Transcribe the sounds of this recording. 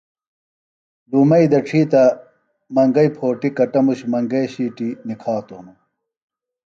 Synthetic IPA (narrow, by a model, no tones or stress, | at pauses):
d̪umɐid̪ɐʈ͡ʂʰiːt̪ɐ | mɐŋɡɐipʰoːʈikɐʈɐmuɕmɐŋɡɐjɕiːʈinikʰaːt̪oːnu